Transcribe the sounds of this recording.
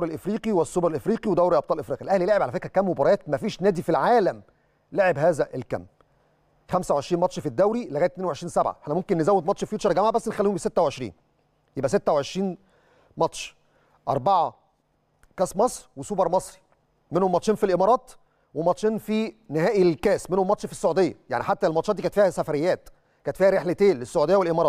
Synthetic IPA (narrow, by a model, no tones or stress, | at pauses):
wɾelʔefɾiːqiwesːobɑɾelʔefɾiːqiwed̪æwɾilʔɑb̚t̪ˤɑːlʔefɾiːqiʔelʔæhlileʕebʕalæfekhækæːmːobɑɾˤɑæːt̪̚mæfiːʃnæːd̪ifilʕaːlæm | leʕebɦæːzæʔelkæ̰mː | xæmsæweʕeʃɾiːnmɑt̪ʃfid̪ːæwɾileɣæːt̪mneːnweʕeʃɾiːnsæbʕa̰eħnæmomkenːezæwːed̪mɑt̪ʃfjut̪t͡ʃʃɑɾˤɡæmʕabæsːenexælːiumbiset̪ːæweʕeʃɾḭːn | jebʔæset̪ːæweʕeʃɾiːn | mɑt̪ʃ | ʔɑ̰ɾˤbɑʕɑ | kæːsmɑsˤɾwesubɑɾˤmɑsˤɾ | menhomːɑt̪ˤʃiːnfilʔemɑːɾˤɑːt̪ | wemɑt̪ʃiːnfinehæːʔilkæːsmenhomːɑt̪ʃfisːoʕud̪ejːæ̰ja̰ʕniħat̪ːælmɑt̪ʃɑt̪d̪ikæt̪fiːhæsæfæɾejːæːt̪ | kæːt̪fiːhæɾeħlet̪eːnlesːoʕud̪ejːæwelʔemɑːɾˤɑːt̪̚